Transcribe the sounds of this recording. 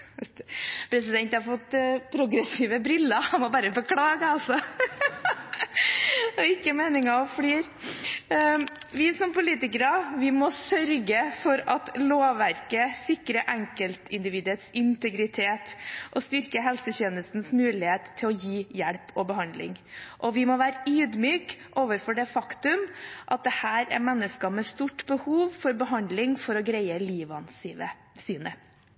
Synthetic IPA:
pʰɾɛs̬ɪd̪ɛnt̪hɑɾfɔt̪ːpʰɾʊɡɾɛsiːʋəbɾɪlːəhɑnmɔbæːɾəbəkʰɽɑːɡəɑlsɔ | ɔɪkːəmeːnɪŋɑfɽiːɾ | ʋɪsɔmpʊliːt̪ɪkəɾəʋɪmɔsœɾɡəfɔɾɑt̪loːʋæɾkəsɪkɾəʔɛŋkəlt̪ʰɪnd̪ɪʋiːd̪ʉət̪sɪnt̪əɡɾɪt̪ʰeːt̪ʔɔst̪ʏɾkəɦɛlsəçɛːnəst̪n̩smʉːlɪheːt̪t̪ʰːɪlɔjiːjæɽpʰɔbəɦɑnd̪lɪ̰ŋʔɔʋɪmɔʋæːɾəʔyːd̪myːkʔoːʋəɾfɔɖɛfɑkt̪ʉmʔɑt̪̚d̪ɛhæːɾɛ̰ɾmɛnːəskɑmɛst̪uʈːbəhuːʋfɔɾbəɦɑnd̪lɪŋfɔɾɔɡɾeɪəliːʋɑnsə | syːnə

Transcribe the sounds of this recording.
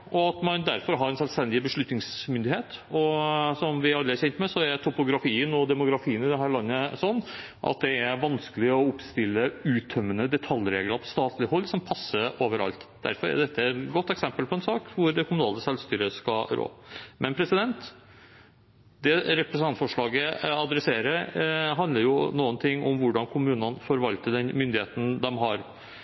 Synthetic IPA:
ɔɑt̪mɑnd̪æɾfɔɾɦɑɾɛnsœlst̪ɛnd̪ɪbəʂɭʉt̪nɪŋsmʏnd̪ɪheːt̪ɔsɔmʋɪɑlːəɑɾçɛnt̪mɛsɔæɾt̪ʰʊpʊɡɾɑfiːənɔd̪ɛmʊɡɾɑfiːənɪd̪ɛɦæːɾɭɑnːəsɔnː | ʔɑ̰t̪̚d̪ɛæɾʋɑnskəlɪɔʊpst̪ɪlːəʉːt̪ʰœmːənəd̪ɛt̪ʰɑljɾeːɡləɾpʰɔ̥st̪ɑːt̪ʰlɪhɔlːsɔmpʰɑsːəɾoːʋəɾɑ̰lt̪d̪æ̰ɾfɔɾæ̰d̪ɛt̪ːəɛt̪ɡɔt̪ːɛksɛmpəlpʰɔɛnsɑːkʋʊɾd̪ɛkʰʊmʉnɑːləsɛlʋst̪yːɾəskɑɾo̰ːmʔɛnpʰɾɛsɪd̪ɛnt̪ | d̪ɛɾɛpɾɛsənɑnt̪fɔʂɭɑːɡəɑd̪ɾɛseːɾəɾɦɑnd̪əɾjʊnuːənt̪ʰɪŋːʔɔ̰mʋʊɖɑnkʰʊmʉːnənfɔɾʋɑlt̪əɖ̪ɛnmʏnd̪ɪheːt̪n̩d̪ɛmɦɑɾ

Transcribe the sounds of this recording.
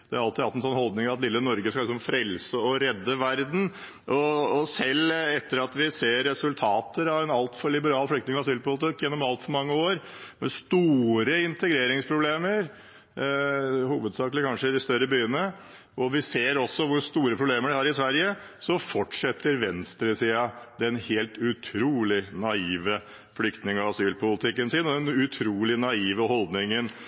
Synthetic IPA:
d̪ɛæɾɑlt̪ɪd̪ɑlt̪ɛnsɔnhɔld̪nɪŋɑʋɑt̪lɪlːənɔɾɡəskɑlɪsɔmfɾɛlsəɔɾɛd̪ːəʋæɾd̪n̩ | ʔɔːsɛlːɛt̪ːəɾɑt̪ʋɪseːɾːɛsʉlt̪ʰɑːt̪ʰəɾɑʋɛnɑlt̪fɔɭɪbəɾɑːlflʏkt̪nɪŋɑsyːlpʊlɪt̪ʰɪkːjɛnːɔmɑlt̪fɔɾmɑŋːəoːɾmɛst̪uːɾəɪnt̪əɡɾeːɾɪŋspʰɾʊbleːməɾ | huːʋəd̪sɑːkləkʰɑnʂəɪd̪ɪst̪œɾəbyːənə | ʔɔʋɪseːɾɔsːɔʋʊɾʂt̪uːɾəpʰɾʊbleːməɖɪhɑɾɪsʋæɾjə | sɔfɔʈʂɛt̪ːəɾʋɛnst̪ɾəsiːɑd̪ɛnheːlt̪ʉt̪ʰɾuːlɪnɑiːʋə | flʏkt̪nɪŋɑʋɑsyːlpʰʊlt̪ʰɪkːənsɪnɔd̪ɛnʉt̪ʰɾuːlɪnɑiːʋəɦɔld̪nɪŋən

